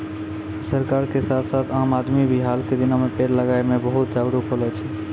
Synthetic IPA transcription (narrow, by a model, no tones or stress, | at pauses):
səɾkaːɾkesaːt̪ʰsaːt̪ʰaːmaːd̪mibʱiɦaːlked̪ɪnamepeːɾləɡaːemẽbəɦut̪̚d͡ʒaːɡɾukɦolɛt͡ʃʰɛ